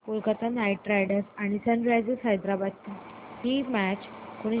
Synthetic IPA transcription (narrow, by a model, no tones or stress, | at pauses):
kulkat̪anaiʈ̚ːɾajɖəɾsaɽ̃isə̃ɳɖɾajd͡ʑesɦajd̪ɾabat̪ːihimæt͡ɕkoɽ̃i